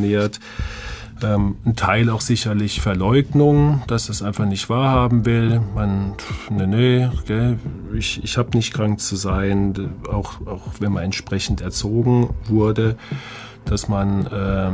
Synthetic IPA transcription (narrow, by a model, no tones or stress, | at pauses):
neːɐt | ʔɛːmn̩tʰaɪlaʊxz̥ɪçɐlɪçfɛɐlɔʏɡnʊŋd̥asd̥asʔaɪnfaχnɪçtv̥aːɐhaːbm̩vɪlmanneneɡ̥ɛ | ɪçɪçhaːbənɪçtkʁ̥aŋk̚t͡suzaɪəna̰ʊxaʊxv̥ɛnmanɛntʃpʁ̥ɛçn̩tɛɐt͡soːɡŋ̩vʊɐdə | d̥asmanʔɛː